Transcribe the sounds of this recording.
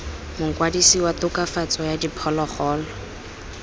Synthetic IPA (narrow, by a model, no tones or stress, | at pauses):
mʊŋ̩kwadisiwatʊkafat͡sʼɔjadipʰɔlɔχɔːlɔ